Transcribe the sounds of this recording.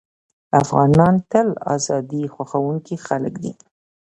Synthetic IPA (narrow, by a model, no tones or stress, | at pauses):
afɣɑnɑnt̪əlɑ̰zɑd̪ixwaxawuŋkixaləkd̪ḭ